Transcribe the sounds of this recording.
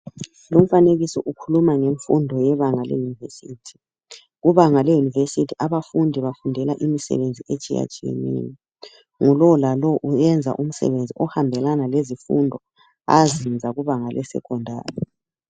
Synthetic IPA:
lum̩faneɣisɔʔukʰulumaŋeɱfṵndʱɔjɛβaŋalḛjunivesiːtʰi̥ | ɣuβaŋalejunivesitʰiʔaβafundʱiβafundʱɛlaʔimisɛ̰βend͡zʱiʔet͡ʃʼija̰t͡ʃʼijḛnḭːni | ŋulɔlalɔʔujɛnd͡zʱa̰ʔum̩sɛ̰βend͡zʱiʔɔhambʱɛlanalezifṵndʱɔ | a̰zind͡zʱaɣuβaŋalɛsɛ̰kʰʼɔndʱa̰ːri

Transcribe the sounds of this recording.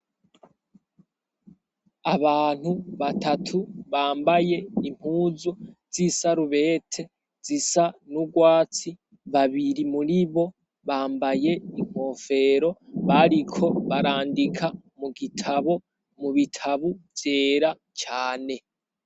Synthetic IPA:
aβaːn̥huβatʰatʰuβaːmbaje̞im̥huːzoz̥isaɾuβe̞ːtʰe̞ | z̥isanuɡwaːt͡si | βaβiɾimuɾiβo̞ | βaːmbaje̞im̥ho̞fe̞ɾo̞βaɾikʰo̞βaɾaːndikʰa | muɡitʰaβo̞ | muβitʰaβuvje̞ːɾa | t͡ʃaːne̞

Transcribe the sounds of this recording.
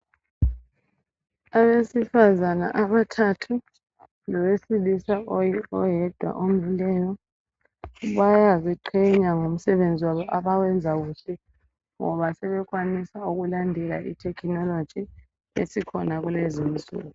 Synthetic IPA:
aβesifazana̰ʔaβatʰatʰu | lɔwesilisaɔjɛd̥ʱwa̰ʔomvilɛːjɔ | βajaziǃʰɛɲaŋum̩sɛβend͡zʱiwaβɔʔaβawɛnd͡zʱaɣuɬɛ | ŋɔ̰βasɛβɛɣwanisauɣulandʱɛla̰ʔḭtʰɛkʰinɔlod̥ʒ̥ʱi | ḛsikʰɔnaɣulezimisṵːɣu

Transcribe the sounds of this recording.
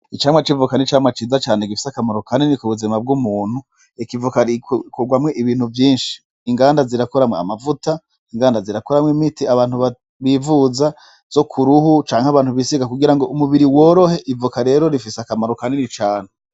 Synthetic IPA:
it͡ʃaːmwat͡ʃivukanit͡ʃaːmwat͡ʃiːzat͡ʃaːneɡifi̥sakamaɾokanenikuβuzimab̚ɡumuːn̥hu | ikivukaɾikkuɡwamŋe̞ʔiβiːn̥huvjiːnʃi̥ː | ŋɡaːndaziɾakoɾamŋea̰mavuta | iŋɡaːndaziɾakoɾamwŋimitiaβaːn̥uβa | βivuza | z̥o̞kʰuɾuhut͡ʃaːŋhaβaːn̥uβisiɡakuɡiɾaŋɡo̞ʔumuβiɾiwo̞ːɾo̞he̞ʔivukaɾe̞ːɾo̞ɾifiseakamaɾokanenit͡ʃaːne

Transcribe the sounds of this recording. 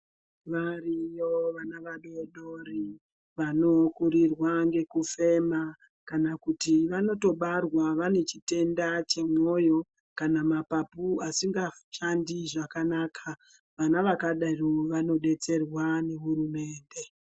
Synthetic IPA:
ʋarijoʋanaʋaɗo̞ɗori | ʋano̞kuɾirwaŋɡe̞kufe̞ma | kanakutiʋano̞to̞ɓarwaʋane̞t͡ʃite̞ndat͡ʃe̞mo̞jo̞ | kanamapapuasiŋɡaʃandiʐakanaːkʰa | ʋanaʋakaɗaroʋano̞ɗe̞t͡se̞rwane̞ɦurume̞ːnde̞

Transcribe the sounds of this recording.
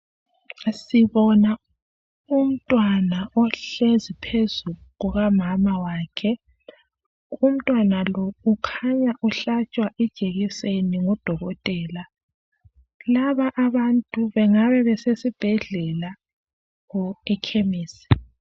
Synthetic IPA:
siβɔna | um̩tʼwanaʔɔɬezipʰezuɣuɣamamawaːkʰɛ | um̩tʼwanalɔukʰaɲaʔuɬat͡ʃʼwaʔɛd̥ʒ̥ʱeɣiseniŋɔd̥ʱɔɣɔtʼɛːla | laβaʔaβantʼuβɛŋaβɛβɛsesib̥ʱɛɮɛla | ɣɔɛkʰemiːsi̥

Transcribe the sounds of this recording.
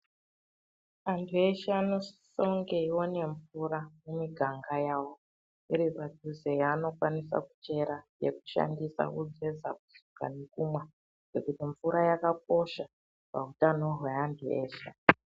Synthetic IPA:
antʰue̞ʃaano̞soŋɡeiwo̞ne̞ɱfuɾamumiɡʱaŋɡajaːwo̞ | iɾipadʱuzejaːno̞kwanisa̰ku̥t͡ʃe̞ɾajḛku̥ʃa̰ndisa̰kud͡zeza̰kusuka̰nekumwa | ɡ̥ekutiɱfuɾajakak̚o̞ʃa | pa̰utano̞ɦwe̞antʰuḛːʃa

